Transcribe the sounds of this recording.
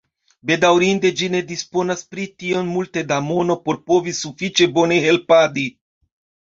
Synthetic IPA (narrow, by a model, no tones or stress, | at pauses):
be̞dawɾinde̞d͡ʒine̞dispo̞naspɾitio̞nmulte̞damo̞no̞po̞ɾpo̞visufit͡ʃe̞bo̞ne̞ɦe̞lpadi